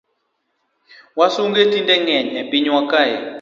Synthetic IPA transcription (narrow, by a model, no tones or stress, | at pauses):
wasuŋɡetʰintʼɛŋɛɲɛpʼiɲwakʼajɛ